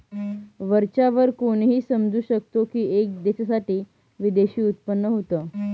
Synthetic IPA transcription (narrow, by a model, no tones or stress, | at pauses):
ʋəɾt͡ɕaʋəɾkoɽɦiːsəmd͡zuːɕək̚t̪okiːek̚d̪eɕasaʈiː | ʋid̪eɕiːut̪̚pənːəɦot̪əː